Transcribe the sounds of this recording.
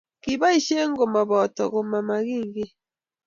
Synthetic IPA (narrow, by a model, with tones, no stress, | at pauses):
ki˨ba˦i˨ʃe˦ŋ˦ɡo˨ma˨βɔ˨tɔ̰˨ɣo˨ma˨ma˨ɣi˦˨ŋɡi˦